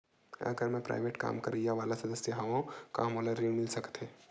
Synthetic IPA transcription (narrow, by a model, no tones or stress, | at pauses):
ɐ̰ɡəɾmɛ̃pɾa̰ːɪʋeːʈka̰ːmkɐɾijaʋaːlasɐd̪əsjəɦɐʋõka̰moːlaɾiːmɪlsɐkt̪ɦeː